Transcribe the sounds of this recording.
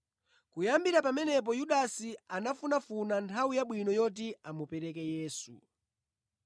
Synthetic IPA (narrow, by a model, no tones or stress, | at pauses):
kujambiɾapamɛnɛp̬ɔjuɗasianafunafunantʰawujaɓwinɔjɔt̬iamupɛɾɛkɛjɛːsṵ